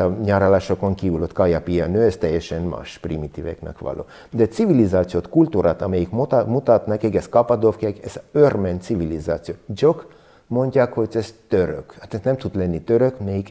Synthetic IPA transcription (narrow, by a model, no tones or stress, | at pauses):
ɒɲaːɾolaːʃokoŋkiːvylot̪kɒjɑpijɑnøːɛst̪ɛjːɛʃɛnma̰ːʃprimit̪ivɛ̰knɛ̰kʋɒ̰lʔo̰ː | d̪ɛsivilizaːt̪sijoːt̪kult̪uɾaːt̪ɒmɛjikmmut̪ɒt̪nɒkɛɡɛskɒpɒd̪ofkiakɛzørmɛnt̪sivilizaːt̪sijoːd͡ʒok | mo̞ɲɟaːkho̞ɟɛst̪øɾø̰khat̪ɛznɛmt̪ud̪lɛnːit̪øɾøkmɛjik